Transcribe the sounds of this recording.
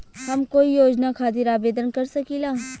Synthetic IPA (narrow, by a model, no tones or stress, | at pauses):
hɐmkoːijoːd͡ʒnakʰaːt̪ɪɾaːbeːd̪ənkɐɾsɐkiːlaː